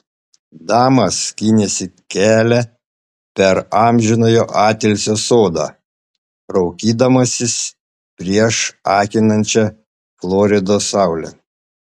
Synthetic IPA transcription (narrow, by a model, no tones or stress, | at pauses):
d̪ɑːmɐskʲinʲesʲɪ | kʲæːlʲɛ | pʲɛɾɑːˑmʲʒʲɪnoːjoːʔɑːt̪ʲɛlʲsʲoːsoːd̪ɑ̰ː | ɾɒʊkʲiːd̪ɐmɐsʲɪs | pʲɾʲiɛʃɑːkʲɪnɐnʲt͡ʃʲɛ | flˠoːɾʲɪd̪oːsɑˑʊlʲɛ̰